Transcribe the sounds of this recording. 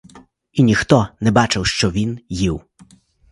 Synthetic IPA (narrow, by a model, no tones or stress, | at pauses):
inʲixt̪ɔnɛbɑt͡ʃɪwʃt͡ʃɔʋʲinjiw